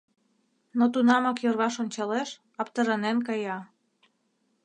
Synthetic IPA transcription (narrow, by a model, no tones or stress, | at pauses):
not̪unɑmɑkjørβɑʃonʲt͡ɕɑleʃ | ɑpt̪ɤɾɑnenkɑjɑ